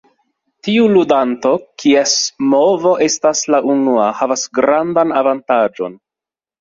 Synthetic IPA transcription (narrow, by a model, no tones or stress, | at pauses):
tiuludanto̞kʰiesmovo̞ʔe̞staslaʔunuahavasɡɾandanavantad͡ʒo̞̰n